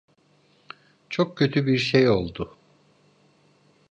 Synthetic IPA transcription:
t͡ʃʰok̚cʰø̞t̪ʰybiɾʃejo̞lˠd̪ʊ

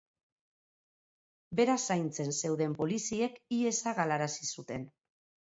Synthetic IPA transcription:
be̞ɾasajnt͡se̞nse̞wðe̞mpo̞lisie̞kie̞saɣalaɾasisut̪e̞n

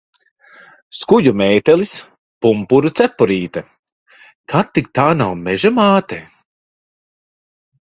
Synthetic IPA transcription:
skujumɛːjt̪ɛlis | pumpuɾut̪sɛpːuɾiːt̪ɛ | kʰat̪ːik̚t̪aːnawmɛʒamaːt̪ɛː

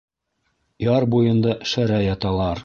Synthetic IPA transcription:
jɑɾbujɤ̆nd̪ɑʃæɾæjɑt̪ɑlˠɑɾ

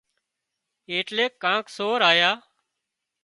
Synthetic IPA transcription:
eːʈleːkːãːksoːɾaːjaː

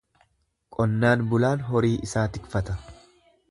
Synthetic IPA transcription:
kʼɔnːaːnbʊlaːnɦɔɾiːʔɪsaːt̪ɪkfɐt̪ɐ

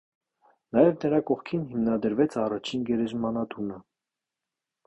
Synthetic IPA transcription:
nɑjɛvnəɾɑkɔχkʰinɦimnɑd̪əɾvɛt͡sʰɑrɑt͡ʃʰinɡɛɾɛzmɑnɑt̪ʰunə

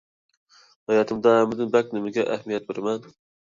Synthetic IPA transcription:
hɑjɑt̪ʰɨmd̪ɑæmɪd̪ɪnbɛk̚ʲnɪmɪɡʲɛʔæhmijɛt̪̚beɾɪmɛn

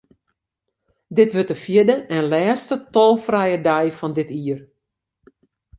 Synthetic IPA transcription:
dɪtʋøtəfjɪdəɛnlɛːstətɔlˠfrɛjədɛjfɔndɪtiːər

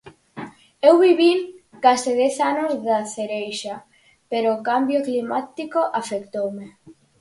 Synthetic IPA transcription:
ewβiβiŋkasɪðɛθanozðaθeɾejʃa | peɾoːkambjoklimat̪ikoʔafekt̪owme

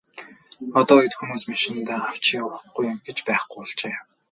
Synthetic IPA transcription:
ɔt̪ɔːjĭt̪xumuːsmaʃɪ̆nt̪aːaw̥t͡ɕʰiːʊɾəχɡujʊmɡet͡ɕpæːχɡujɔɮt͡ɕeː

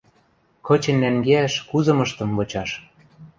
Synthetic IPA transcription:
kɤ̆t͡ɕĕnːæŋɡeæʃkuzɤ̆mɤ̆ʃt̪ɤ̆mvɤ̆t͡ɕɑʃ

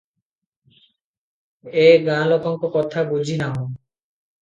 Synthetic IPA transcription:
eɡãlɔkoŋkokɔt̪ʰabud͡ʑʱinaɦo

